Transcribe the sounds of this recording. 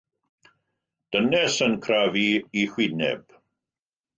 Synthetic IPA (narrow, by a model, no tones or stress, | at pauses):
d̥ənɛsənkʰraviihwɪnɛ̰b̥